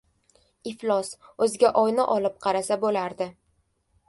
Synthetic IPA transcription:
ɪflˠɒsɵzɪɡʲaʔɒjnɪʔɒlɪp̚qʰɑɾasabolaɾd̪ɪ

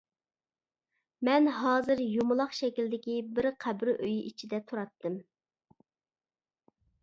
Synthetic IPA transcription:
mɛnɦɑːzɨɾjumʊlˠɑχʃɛkʲild̪ɪkʲibɪɾqʰæbɾʔøjʔit͡ʃʰid̪ɛt̪ʰuɾɑt̪ːɨm

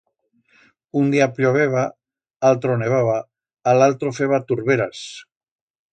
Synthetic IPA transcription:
und̪iapʎoβeβa | alt̪ɾoneβ̞aβaː | lalt̪ɾofeβat̪uɾβeɾas

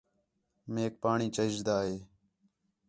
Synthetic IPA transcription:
meːk̚paːɳiːt͡ʃəd͡ʒd̪aːɦeː

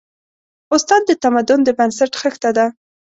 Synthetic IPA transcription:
ʊst̪ɑd̪̚ːət̪amad̪ʊnd̪əbansaʈxəxt̪ad̪a

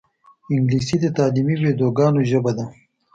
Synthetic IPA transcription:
ɪŋɡliːsid̪ət̪ɑːlimiweːd̪oːɡɑːnoʒəbad̪a

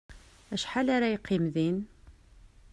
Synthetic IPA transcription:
æʃħalaɾæjqːimðin

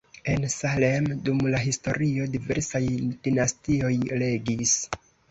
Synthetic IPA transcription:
e̞nsalemdumlaɦisto̞ɾio̞dive̞̰ɾsajdinastio̞jle̞ɡis

